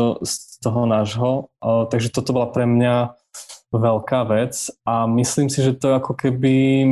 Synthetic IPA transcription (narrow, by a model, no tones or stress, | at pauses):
st̪ɔɦɔnaʒɦɔt̪aɡʒɛt̪ɔt̪ɔbɔlapɾɛmɲa | ʋɛlkaːʋɛt͡samisliːmsiʒɛt̪ɔakɔkɛbi